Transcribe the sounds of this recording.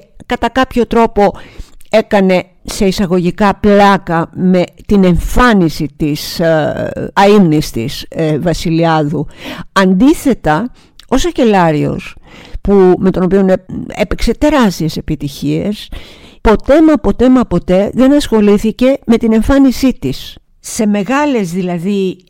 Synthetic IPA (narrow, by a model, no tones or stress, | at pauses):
kɐt̪ɐkɐpço̞t̪ɾo̞po̞e̞kɐne̞ | se̞isɐɣo̞ʝikɐplɐkɐme̞t̪ine̞ɱfɐnisit̪is | ɐimnist̪ḭsvɐsiliɐðuɐnd̪iθe̞t̪ɐ | o̞sɐce̞lɐɾio̞̰spume̞t̪o̞no̞pio̞nee̞pekse̞t̪e̞ɾɐst̪ie̞se̞pit̪içie̞spo̞t̪e̞mɐpo̞t̪e̞mɐpo̞t̪e̞ðe̞nɐsxo̞liθice̞me̞t̪ine̞ɱfɐnisit̪is | se̞me̞ɣɐle̞zðilɐði